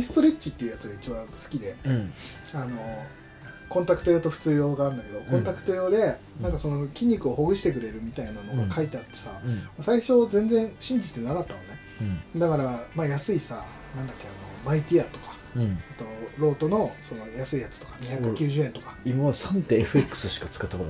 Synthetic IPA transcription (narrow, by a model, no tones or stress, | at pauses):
isɨ̥t̪o̞ɾet͡ɕt͡ɕːit̪ːe̞iɯ̟jat͡sɨɡait͡ɕibãsɨ̥kʲid̪e̞ | ano̞ | kõ̞nt̪akɯ̟t̪o̞joːt̪o̞ɸɯ̟̥t͡sɨːjo̞ːɡaːɾɯnd̪ake̞d̪o̞kõ̞nt̪akɯ̟t̪o̞jo̞ːd̪e̞ | nãŋkaso̞no̞kʲĩɲ̟ːikɯ̟o̞ho̞ɡɯ̟ɕi̥t̪e̞kɯ̟ɾe̞ɾɯ̟mʲit̪ainano̞ɡakait̪e̞at̪ːe̞samasaiɕo̞zẽ̞nd͡zẽ̞ɰ̃ɕĩɲ̟d͡ʑit̪e̞nakat̪ːamone̞ | d̪akaɾamaːjasɨisa | nãnd̪ak̪ːeano̞mait̪ʲiat̪o̞kḁ | at̪o̞ɾo̞ːt̪o̞no̞so̞no̞jasɨijat͡sɨ̥t̪o̞kḁɲiçakɯkʲɨːʑɨːe̞nt̪o̞kḁimasãnt̪eːɸɯekːɯ̥sɨɕi̥kat͡sɨ̥kat̪ːaoɾ